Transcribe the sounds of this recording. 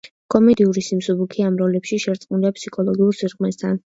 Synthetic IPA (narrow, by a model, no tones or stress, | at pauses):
kʼɔmɛd̪iuɾisimsubukʰiamɾɔlɛpʃiʃɛɾt̪sʼqʼmuliapʰsikʰɔlˠɔɡiuɾsiɾqʼmɛst̪ʰan